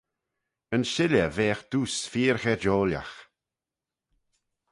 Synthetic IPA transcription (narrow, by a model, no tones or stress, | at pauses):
ənʃɪlʲəveːxd̪̥uːsfiːɹxɛd͡ʒoːlja̰x